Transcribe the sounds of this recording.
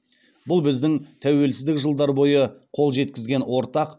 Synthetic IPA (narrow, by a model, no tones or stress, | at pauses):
bʊlˠbɪzd̪ɪŋt̪ʰæwe̞lsɪzd̪ɪkʒəlˠd̪ɑɾbo̞jəqʰo̞lˠʒe̞t̪̚kʲɪzɡʲe̞nwo̞ɾt̪ɑq